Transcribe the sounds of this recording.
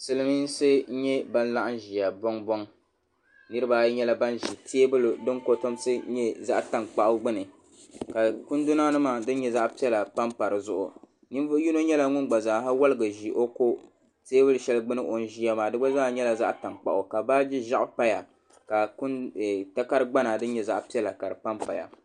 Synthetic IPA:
sɨ˦lɨ˦mi˦n˦sɨ˦ɲɛ˦ba˦n˦la˦ʔa˦n˦ʒi˨ja˨bɔ˦ŋbɔ˦ŋ | nɨ˦ɾɨ˦baː˦ɲɛ˦la˦ba˦nʒi˨tʰeː˦bɨ˦ldɨ˦ŋko˦to˦msɨ˦ɲɛ˦za˦ʔta˨ŋk͡pa˦ʔʊ˦ɡ͡bɨ˦nɨ˨ | ka˨ku˦ndʊ˦na˦nɨ˦maː˨dɨ˦n˦ɲɛ˦za˦ʔpi˦ɛ˦la˨pa˦mpa˨ɾɨ˨zʊ˦ʔʊ̰˨ | ni˦mvju˦no˦ɲɛ˦la˦ŋʊ˦nɡ͡ba˨zaː˨ɦa˦wa˦lɨ˦ɡɨ˨ʒi˨ʔo˦ko˦ | teː˦bɨ˦lɨ˨ʃɛ˦lɡ͡bɨ˦nɨ˦ʔo˨n˦ʒi˦ja˦maː˨dɨ˦ɡ͡ba˦za˦˨ɲɛ˦la˨za˦ʔta˨ŋk͡pa̰˨ʔʊ˨ka˨ba˦d͡ʒi˦ʒa˦ʔpa˦ja˨ | ka˨ku˦n˨ta˦ka˦ɾɨ˦ɡ͡ba˦na˨dɨ˦n˦ɲɛ˦˨za˦ʔpi˦ɛ˦la˨ka˨ɾɨ˨pa˦mpa˨ja̰˨

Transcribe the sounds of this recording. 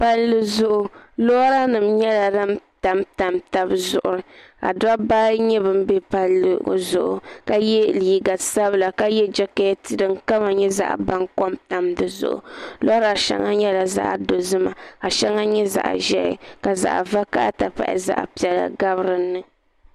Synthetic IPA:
pa˦llɨ˦zʊ˨ʔʊ˨lo˦ɾa˦nɨ˨mɲɛ˦la˨da˦mta˨mta˨mta˨bzʊ˨ʔʊ˨ɾɨ˨ka̰˨da˦ba˦ɲɛ˦bɨ˦m˦bɛ˦pa˨lːɨ̰˨zʊ̰˨ʔʊ̰˨ka˦jɛ˦liː˨ɡa˨sa˦bɨ˦la˨ka˦jɛ˦d͡ʒɛ˦ka˦ti˨dɨ˨ŋka˦ma˨ɲɛ˦za̰˦ʔba˦ŋkɔ˦mta˨mdɨ˨zʊ̰˨ʔʊ̰˨lo˦ɾa˨ʃɛ̰˦ŋa˦ɲɛ˦la˨za̰˦ʔdo˨zɨ˦ma˨ka˨ʃɛ˦ŋa˦ɲɛ˦za̰˨ʔʒɛ˦ɪ̰˨ka˨za̰˨ʔva˦ka˦ta˨pa̰˨ʔɪ̰˨za̰˦ʔpi˨ɛ˨la̰˨ɡa˦βɾɨ˨nːɨ˦

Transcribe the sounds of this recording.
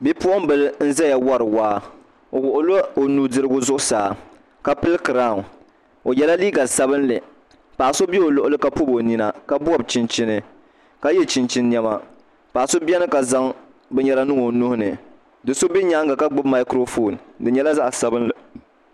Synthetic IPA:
bi˦pu˦ɔ˦m˦bɨ˨lɨ˦n̩˦za˦ja˨wa˦ɾɨ˨waː˦ | o˨wʊ˨ʔʊ˨lo˦o˨nuː˨dɨ˦ɾɨ˦ɡʊ˦zʊ˦ʔʊ˦saː˨ | ka˦pɨ˦lɨ˦kɨ˨ɾaː˦˨ | o˨jɛ˦la˦liː˦ɡa˨sa˦bɨ˦nlɨ˨ | paː˨so˦bɛ˦o˨lʊ˨ʔʊ˦lɨ˦ka˦pu˦bo˨ni˨na˦ka˦bʊ˦a˦˨b̚t͡ʃi˦nt͡ʃi˦nɨ˨ | ka˦jɛ˦t͡ʃi˨nt͡ʃi˦nː˦ɛ˦ma˦ | pa˨so˦bi˦ɛ˦nɨ˦ka˨za˦ŋ | bɛ˦ɲɛ˦la˦nɨ˦ŋo˨nu˦hʊ˦nɨ˨ | dɨ˨so˦bi˦ɲa˦ŋɡa˨ka˦ɡ͡bɨ˦bma˨ɪ˦kɾo˦fo˦˨ndɨ˨ɲɛ˦la˦za˦ʔa˨sa˨bɨ˦nlɨ˨

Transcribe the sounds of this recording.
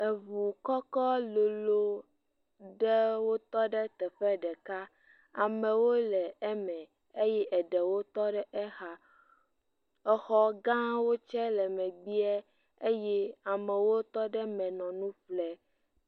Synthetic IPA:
ɛ˨vu˨kɔ˦kɔ˦lo˨lo˦ | ɖɛ˦wo˦t̪ɔ˦ɖɛ˦t̪ɛ˨ɸɛ˦ɖɛ˨ka˦ | a˨mɛ̃˨wo˦lɛ˨ɛ˦mɛ̃˨ | e˦jɛ˦ʔɛ˨ɖɛ˨wo˦t̪ɔ˦ɖɛ˦ʔɛ˦xa˦ | ɛ˨xɔ˨ɡã˦wo˦t͡ʃɛ˦lɛ˨mɛ̃˨ɡ͡bi˦ɛ˦ | e˦jɛ˦a˨mɛ̃˨wo˦t̪ɔ˦ɖɛ˦mɛ̃˨nɔ̃˨nũ˦flɛ˦

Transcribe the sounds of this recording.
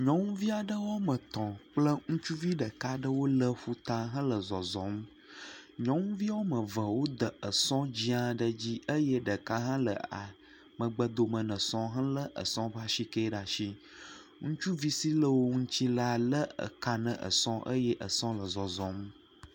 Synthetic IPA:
ɲɔ̃˦ŋũ˦vi˦a˨ɖə˦wo˦mə̃˨t̪ɔ̃˨k͡plə˦ŋũ˦t͡ʃu˦vi˦ɖə˨ka˦ɖə˦wo˦lə˦ɸu˦t̪a˦ɦã˦lə˨zɔ˨zɔ̃˨m˦ | ɲɔ̃˦ŋũ˦vi˦wo˦mə̃˨və˨wo˦d̪ə˨ə˨sɔ̃˦d͡ʑi˦a˨ɖə˦d͡ʑi˦ə˦jɛ˦ɖə˨ka˦ɦã˦lə̰˨a˨ | mə̃˨ɡ͡bə˨d̪o˨mə̃˨nə̃˨sɔ̃˦ɦã˦lə˦ʔə̰˨sɔ̃˦ba˦ʃi˦kə˦ɖa˨ʃi˦ | ŋũ˦t͡ʃu˦vi˦si˦lə˦wo˦ŋũ˦t͡ɕi˦la˦lə˦ə̰˨ka˨nə̰̃˨ʔə̰˨sɔ̃˦ʔə˦jɛ˦ʔə˨sɔ̃˦lə˨zɔ˨zɔ̃˨m˦

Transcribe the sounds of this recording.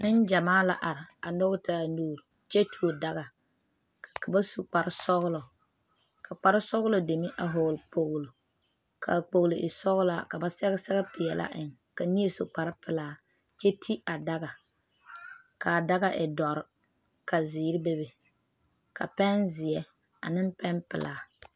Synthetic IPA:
nɪ˦nd͡ʒa˨maː˦la̰˨ʔa˨ɾɪ˨a˨nʊ˦ɣta˦˨nuː˦˨ɾ | t͡ʃɛ˦tʰu˨o˨da˦ɣa˨ | ka˨ba˦su˨k͡pa˨ɾɪ˦sɔ˦ɣlɔ˨ | kʰa˨k͡pa˨ɾɪ˦sɔ˦ɣlɔ˨de˨mi˦ʔa˨ɦoː˨lpo˨ɣlo˨ | kʰa̰˨k͡po˨ɣlɪ˨ʔɪ˨sɔ˦ɣʊ˦la˨ka˨ba˨sɛ˦ɣɪ˦sɛ˦ɣɛ˦pɪ˨ɛ˨lʔa̰˦ʔɪ˨ŋ | ka˨ni˦e˦sʊ˨k͡pa˨ɾɪ˦pɪ˨laː˨ | t͡ʃɛ˦tʰi˦a˨da˦ɣa˨ | ka˨da˦ɣa˦ʔɪ˨dɔ˨ɾɪ˦ | ka˨zɪː˨˦ɾɪ˦be˦be˨ | ka̰˨pɛ˦nzɪ˨jɛ˦ | a̰˨nɪ˦mpɛ˦npɪ̰˨lʔaː˨

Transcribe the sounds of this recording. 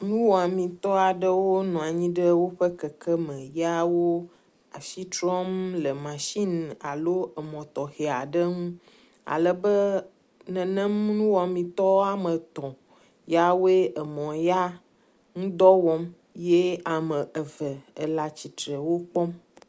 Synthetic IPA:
nũ˦wɔ˨a˨mĩ˨t̪ɔ˦a˨ɖə˦wo˦nɔ̃˨a˨ɲĩ˦ɖə˦wo˦ɸə˦kə˨kə˦mə̃˨ja˦wo˦ | a˨ʃi˦tɾɔ˦mlə˨mã˨ʃi˦n˨a˨lo˦ə˨mɔ̃˨t̪ɔ˨xe˨a˨ɖə˦ŋũ˦ | a̰˨lə˨bə˦ | nɛ̃˨nə̃˦mnũ˦wɔ˨mĩ˨t̪ɔ˦wa˦mə̃˨t̪ɔ̃˨ | ja˦wo˦e˦ʔə˨mɔ̃˨ja˦ | ŋũ˦d̪ɔ˦wɔ˦m | je˦a˨mə̃˨ʔə˨və˨ə˨la˨t͡ɕi˨t̪ɾə˨wo˦k͡pɔ˦m

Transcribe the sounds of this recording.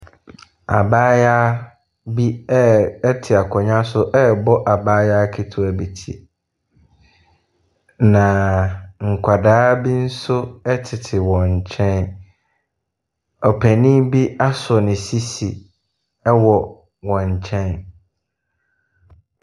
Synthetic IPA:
a̰˨baː˦ja˦ | bi˦ɛ˦ɛ˦tʰɪ˨a˨kʰɔ˨ɲã˦sʊ˦ʔɛ˦bɔ˦ʔa˨baː˦ja˦kʰi˦tʰʊ˦æ˨bi˨tʰḭ˨ | nã˨ŋ̩˨kʷʰa˨daː˦bi˦n̩˦sʊ˦ɛ˦tʰɪ˨tʰɪ˨wɔ̃˨ɲ˨t͡ɕʰɛ̃˦n | ɔ˨pʰæ˨nĩ˦bi˦a˦sʊ˨nɪ̃˨si˦si˨ | ɛ˦wɔ˨ | wɔ̃˨ɲ˨t͡ɕʰɛ̃˦n

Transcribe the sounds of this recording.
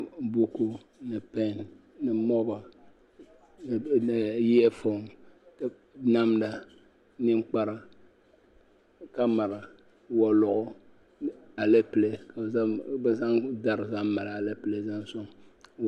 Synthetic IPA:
bu˦ko˦ | nɨ˨pɛ˦˨n | nɨ˨mɔ˦ba˨ | ji˦ɛ˦fo˦˨ŋ˨ | na˦mda˨ | nɨ˦m˦k͡pa˦ɾa˨ | ka˦ma˨ɾa˨ | wɔ˨lʊ˨ʔʊ˦ | a˨le˦pɨ˨le˨ka˨˦bɛ˦za˦ŋda˦ɾɨ˨za˦m˦ma˨la˨a˨le˦pɨ˨le˨za˦nsʊ˦ŋ

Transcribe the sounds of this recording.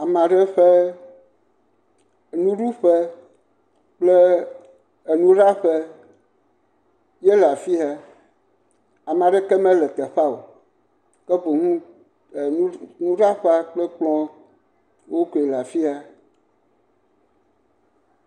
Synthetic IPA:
a˨m˨ã˨ɖe˦ɸe˦˨ | nũ˦ɖu˦ɸe˦ | k͡ple˦ | e˨nũ˦ɖa˦ɸe˦ | je˦la˨fi˦a˦ | a˨m˨ã˨ɖe˦kɛ˦mɛ̃˦lɛ˨t̪ɛ˨ɸa˦o˨ | kɛ˦bo˨ŋũ˦˨ | ũ˦nũ˦ɖa˦ɸe˦a˦k͡plɛ˦k͡plɔ̃˦ | wo˦ko˨e˨la˨fi˦a˦

